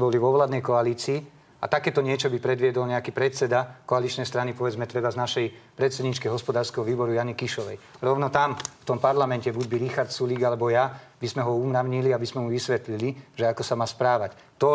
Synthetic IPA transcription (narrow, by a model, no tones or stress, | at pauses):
bɔliʋɔʋlaːd̪nɛjkɔaliːt͡siː | a̰t̪akɛːt̪ɔɲɪɛt͡ʃɔbipɾɛd̪ʋɪɛd̪ɔlɲɛakipɾɛt̪sɛd̪akɔalit͡ʃnɛjst̪ɾanipɔʋɛd͡zmɛt̪ɾɛbaznaʃɛjpɾɛt̪sɛd̪ɲit͡ʃkɛɦɔspɔd̪aːɾskɛɦɔʋiːbɔɾujanikiʃɔʋɛjɾɔʊnɔt̪amft̪ɔmpaɾlamɛncɛbuɟbiɾixaɾt̪suliːɡalɛbɔjabizmɛɦɔuːmɾaʊɲiliabizmɛmuʋisʋɛt̪liliʒɛakɔsamaːspɾaːʋac | t̪ɔ